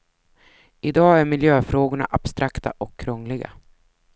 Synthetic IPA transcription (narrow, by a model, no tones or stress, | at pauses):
ɪd̪ɑːæɾmɪljøːfɾoːɡʊɳa̰ʔab̥st̪ɾʔakt̪ʰa̰ʔɔkʰːɾɔŋlɪɡa̰